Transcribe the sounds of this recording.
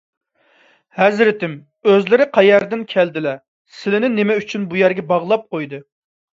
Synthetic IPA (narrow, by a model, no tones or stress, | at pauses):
hɛzɾɪt̪ɪm | øzlɪɾɪqʰɑjɛɾd̪ɪnkʲʰæld̪ɪlɛ | sɪlɪnɪnɪmɛyt͡ʃʰynbujɛɾɡʲɛbɑʁlˠɑp̚qʰojd̪ɨ